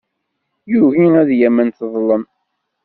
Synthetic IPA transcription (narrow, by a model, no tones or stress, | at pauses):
juʝiæðjæmːənθðˤlːən